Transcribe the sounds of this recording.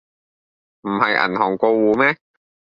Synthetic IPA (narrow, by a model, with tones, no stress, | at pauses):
m̩˨˩hɐ˨jʔɐ̰˨˩nɦɔː˨˩ŋko˧wwuː˨˧mɛː˦˥